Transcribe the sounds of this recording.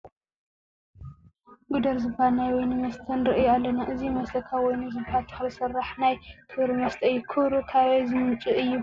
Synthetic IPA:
ɡud̪ɐɾzɨbhanajwɔjnɨmɐst̪ʰɐnɾɨʔɨjualːɐnaʔɨzimɐst̪ɐkʰawɔjnuzɨbhat̪ʰʼxβɨsɨrːaħnajt̪ʰɨɾɨmɐst̪ʰʼɐjːukʰɨβɾukʰaβezɨmɨmt͡ʃʼɨʔɨjːu

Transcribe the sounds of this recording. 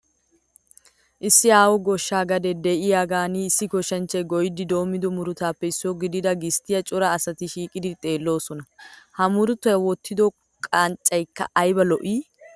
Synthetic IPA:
ʔɪsːɪaːwɔɡɔʃːaːɡɐd̪ɛd̪ɛʔɪjaːɡaːniɪsːɪkɔʃɐnt͡ʃːɐjɡɔjɪd̪ɪd̪o̞ːmːɪd̪ɔmʊɾʊt̪aːpːɛɪsːɪjɔɡɪd̪ɪd̪ɐɡɪst̪ɪjɐt͡ʃʼɔɾɐːsɐt̪ɪʃiːkʼɪd̪ɪt̪ʼe̞ːlːo̞ːsɔnɐhɐmʊɾʊt̪ːɔjɐwɔt̪ːɪd̪ɔ | kʼaːnt͡ʃʼːɐjkːɐ̰ʔɐjbɐlɔʔiː

